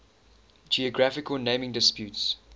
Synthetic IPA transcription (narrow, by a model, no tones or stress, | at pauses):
d͡ʒiəɡɹafɪkəlnẽɪ̃mɪ̃ŋdɪspjʉːts